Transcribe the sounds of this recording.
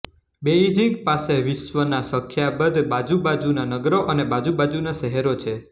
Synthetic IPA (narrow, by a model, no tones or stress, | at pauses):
beid͡ʒĩŋɡpaseʋɪʃʋənasəkʰːjabəd̪bad͡ʒubad͡ʒunanəɡɾoʔənebad͡ʒubad͡ʒunaʃəɦeɾot͡ʃʰe